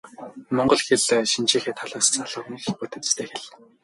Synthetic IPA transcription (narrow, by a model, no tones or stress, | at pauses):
mɔɴɢɞ̆ɮxeɮʃint͡ɕiːxeːt̪ʰaɮaːst͡saɮə̆χnixput̪ɘ̆t͡st̪ʰeːxeɮ